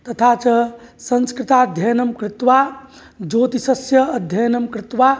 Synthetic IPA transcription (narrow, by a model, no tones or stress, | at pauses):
t̪ɐt̪ʰaːt͡ʃɐsənskɾɪt̪ad̪ʱjɐjnɐmkɾɪt̪ʋa | d͡ʒoːt̪isɐsjɐːd̪ʱjɐjnɐmkɾɪt̪ʋa